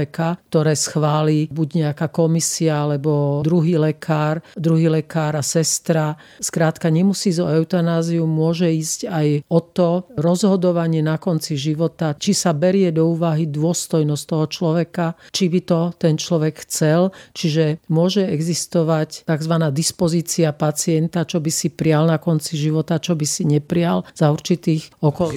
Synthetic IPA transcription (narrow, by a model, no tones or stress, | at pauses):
ɛkak̚t̪ɔɾɛːsxʋaːliːbuɟɲɛakaːkɔmisiaalɛbɔd̪ɾuɦiːlɛkʰaːɾd̪ɾuɦiːlɛkaːɾasɛst̪ɾa | skɾaːt̪kaɲɛmusiːzɔɛʊt̪anaːziummːʊɔʒɛiːzcajɔt̪ɔɾɔzɦɔd̪ɔʋaɲɪɛnakɔnt͡siʒiʋɔt̪at͡ʃisabɛɾɪɛd̪ɔuːʋaɦid̪ʊɔst̪ɔjnɔst̪ɔɦɔt͡ʃlɔʋɛkat͡ʃibit̪ɔt̪ɛnt͡ʃlɔʋɛkxt͡sɛlt͡ʃiʒɛmʊɔʒɛɛɡzist̪ɔʋact̪aɡzʋanaːd̪ispɔziːt͡siapat͡siɛnt̪at͡ʃɔbisipɾɪalnakɔnt͡siʒiʋɔt̪at͡ʃɔbisiɲɛpɾɪalz̥auɾt͡ʃit̪iːxɔkɔl